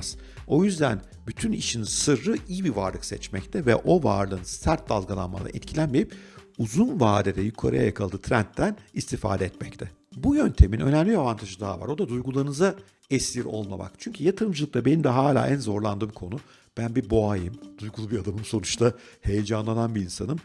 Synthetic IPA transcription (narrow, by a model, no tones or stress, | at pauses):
z̥ | o̞jyzd̪æn | byt̪ʰyniʃinsɯɾːɯijibiva̰ɾlˠɯksɛt͡ʃmɛct̪ʰɛvɛ̰ʔo̞va̰ɾlˠɯːnsæɾt̪̚d̪alˠɡalˠa̰nma̰lˠa̰ʔɛ̰t̪cʰilʲænmeɾipuzunvaːd̪ed̪ɛjykʰaɾa̰ja̰jakʰalˠd̪ɯːt̪ʰɾænt̪ːænist̪ʰifa̰ːd̪ɛɛt̪mɛct̪ʰɛ | bujønt̪ʰe̞minø̞̰nɛmlʲiavant̪ʰaʒɯd̪aɦava̰ɾo̞d̪ad̪ujɡulˠaɾɯnɯza | ɛscʲiɾo̞̰lˠma̰ma̰kt͡ʃʰyɲcʰyjat̪ʰɯɾmd͡ʒɯlˠɯk̚t̪ʰabe̞nimd̪ɛɦaːlʲa̰ːʔænzo̞ɾlˠand̪ɯːmkʰo̞nu | b̥ænbiboajɯmd̪̥ujɡulˠubiad̪amɯmso̞nut͡ʃt̪ʰahe̞jed͡ʒanlˠananbiːnsanɯm